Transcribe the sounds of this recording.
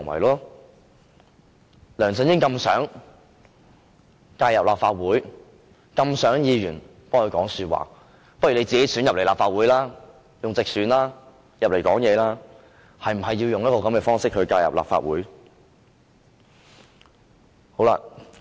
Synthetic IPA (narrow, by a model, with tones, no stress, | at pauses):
ŋwɐ̰˨˩jlɔː˥ | lœː˨˩ŋsə˨njɪ˥ŋkɐ˧msœ̰ː˨˥ŋ | kaː˧jɐ˨p̚la̰ː˨p̚faː˧t̚wuː˨˥j | kɐ˧msœː˨˥ŋjiː˨˧jyː˨˩n | pɔː˥ŋkɵ˧jkɔː˨˥ŋsyː˧t̚wa̰ː˨ | pɐ˥t̚ɥy˨ne˨˧t͡siː˨ke˨˥syː˨˥jɐ˨p̚le˨˩jlaː˨pfaː˧t̚wuː˨˥jlaː˥ | jʊ˨ŋt͡sɪ˨k̚syː˨˥nlaː˥ | jɐ˨p̚le˨˩jkɔː˨˥ŋjɛː˨˧laː˥ | hɐ˨jm̩˨˩ɦɐ˨jːi˧wjʊ˨ŋj̚kɔː˧kɐ˨˥mkɛː˧fɔː˥ŋsɪ˥k̚hɵ˨˧ɥkaː˧jɐ̰˨p̚la̰ː˨pfa̰ː˧t̚wuː˨˥j | ho˨˥wla̰ː˧